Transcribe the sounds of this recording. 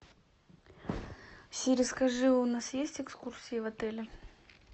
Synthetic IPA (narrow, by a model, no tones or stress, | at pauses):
ɕʲɪɾʲɪskɐʐɨvʊnasjesʲtʲɪkskursʲɪjəvɐt̪ɛlʲɪ